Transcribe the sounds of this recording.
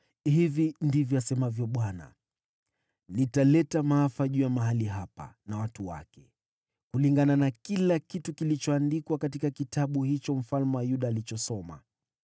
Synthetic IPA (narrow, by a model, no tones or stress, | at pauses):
hivindivjɔasɛmavjɔɓwana̰ | nitalɛtamaafaʄujamaɦaliɦapa̰nawatuwa̰kɛ | kuliŋɡananakilakitukilit͡ʃɔandikwakatikakitaɓuhit͡ʃɔm̩falmɛwajuɗaːlit͡ʃɔsɔma̰